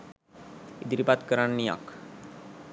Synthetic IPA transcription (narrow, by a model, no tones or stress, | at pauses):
id̪ɾibat̪kəɾaɳːija̰k